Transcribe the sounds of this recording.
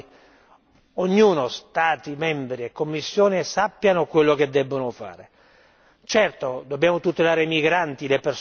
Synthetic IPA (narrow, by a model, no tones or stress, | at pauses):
oɲːuːnost̪aːt̪imɛmbɾiekːomːisːjoːnesapːjanokwelːok̟ed̪ːɛbːonofa̰ːɾe | t͡ʃɛrt̪od̪obːjaːmot̪ut̪elaːɾeimiɡɾant̪ilepers